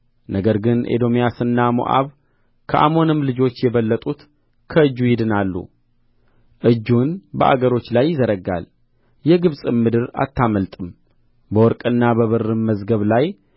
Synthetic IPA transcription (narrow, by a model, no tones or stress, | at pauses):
nʔəɡəɾɡɨnʔḛd̪o̞mijasɨnːamo̰ʔa̰β | kʰəʔa̰mo̞nɨmlɨd͡ʒo̞t͡ʃːjɛβəlːət̪ʼut̪ | kʰəɨd͡ʒːujɪd̪ɨnalːṵ | ʔɨd͡ʒːunbə̰ʔa̰ɡəɾo̞t͡ʃːlajːɪzəɾəɡa̰l | jɛɡɨβsʼɨmːɨd̪ɨɾa̰t̪ːaməlt̪ʼɨm | bəwɔɾkʼɨnːabəβɨrːɨmːəzɡəβlaj